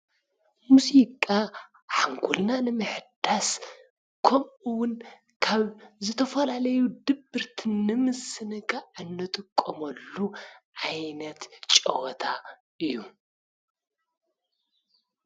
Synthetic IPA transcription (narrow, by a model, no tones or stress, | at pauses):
muzikʼa | ħaŋkʰulnanɨmɨħd̪as | kʰomʔuwʊn | kʰaβzɨt̪ʰɐfɐlalɐjud̪ɨbɨɾt̪ʰɨnːɨmɨsɨnɨkʰʼaʕɨnːɨt̪ʼɨkʼːomɐlːuʕajnɐt̪t͡ʃʼɐ̰wɔt̪ʰa | ʔɨjːu